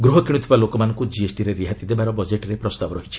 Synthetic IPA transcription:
ɡɾuɦɔkiɽ̃ut̪ʰibalokɔmanɔŋkud͡ʒiesʈiɾeɾiɦat̪id̪ebaɾɔbɔd͡ʒeʈɾepɾɔst̪abɔɾɔɦit͡ʃʰi̥

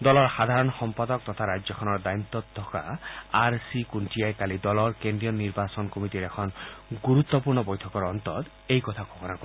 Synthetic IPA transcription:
d̪ɔlɔɾxad̪ʱaɾɔnxɔmpad̪ɔk̚t̪ɔt̪ʰaɾad͡ʒjɔkʰɔnɔɾd̪ajmt̪ɔt̪ʰːɔka̰aɾsikunʈiajkalid̪ɔlɔɾkend̪ɾijɔniɾbasɔnkɔmit̪iɾekʰɔnɡuɾut̪ːɔpuɾnɔbɔjtʰɔkɔɾɔnt̪ɔt̪ | ejkɔt̪ʰaɡʱɔbɔnakɔ

